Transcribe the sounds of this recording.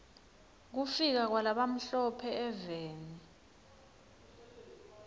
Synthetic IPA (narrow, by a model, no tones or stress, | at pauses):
k̬ufik̬ak̬walaɓam̩ɬɔpʰɛɛveːni